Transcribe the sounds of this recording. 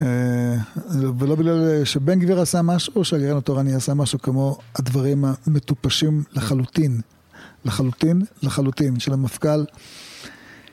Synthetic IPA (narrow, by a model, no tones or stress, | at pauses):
e | velo̞biɡlalʃebenɡviʁasamaʃuʃeaɡeʁenat̪oʁaniasamaʃukemo̞ad̪vaʁimame̞tupaʃimlaχalut̪in | laχalut̪inleχalut̪inʃelamafkal